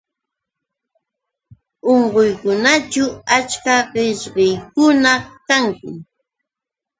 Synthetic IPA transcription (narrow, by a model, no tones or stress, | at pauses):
oɴɢojkʊnat͡ʃʊat͡ʃkaɢɪʃɢɪjkʊnakaŋkʊ